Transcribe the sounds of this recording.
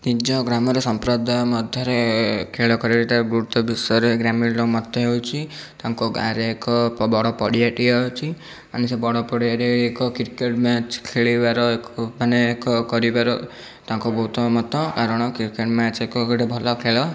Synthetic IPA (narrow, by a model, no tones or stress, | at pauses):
t̪id͡ʒɔɡɾamɔɾesɔmpɾɔd̪ʱamɔd̪ʱjɔɾekʰeɭɔkɔɾiɾet̪aɡuɾut̪ɔbisɔɾeɡɾamiɽɾɔmɔt̪ːɔɦewt͡ʃʰit̪aŋkoɡa̰ɾeekɔpbɔɽɔpɔɽiaʈiɔt͡ʃʰi | anisebɔɽɔpɔɽiaʈeekɔkiɾkeʈmat͡ʃʰi̥kʰeɭibaɾɔekbʱanekɔkɔɾibaɾɔ | t̪ãŋkobɔɦut̪ɔmɔt̪ɔkaɾɔɽ̃ɔkiɾkeʈmãt͡ʃʰiekɔɡɔɽebʱɔlɔkʰeɭɔ